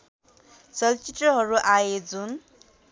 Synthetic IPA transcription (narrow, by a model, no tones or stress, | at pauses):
t͡sʌlt͡sit̪rʌɦʌɾuʔaed͡zun